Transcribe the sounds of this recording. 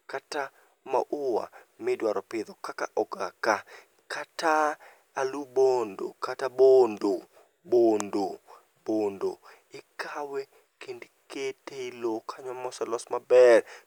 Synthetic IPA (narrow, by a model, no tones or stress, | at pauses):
kata | ma̰ʔʊwa̰mɪdwaɾɔpɪd̪ɔkakaʔɔɡaka | kʰata | alubondo̰katabondo | bondo | bondo | ɪkʰawe | kend | ketelokʰaɲɔmɔsɛlɔsmabɛr